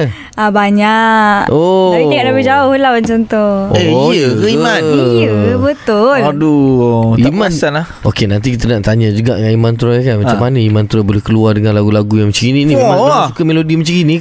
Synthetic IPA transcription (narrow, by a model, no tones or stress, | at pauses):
abaɲaʔʔodaiiɡaʔdaped͡ʒawahulawant͡ʃɔnt̪ɔhɔeiəkəianəəbət̪ʊladuimãnsanla | okenãnt̪ik̬it̪anaʔt̪aɲad͡ʒuɡa̰ʔaimant̪uɾajkanmat͡ʃamːanəimant̪uɾabolɛhkəluardəŋãnlaɡulaɡujãŋmət͡ʃəkininĩaasukəmelodimət͡ʃəkinĩ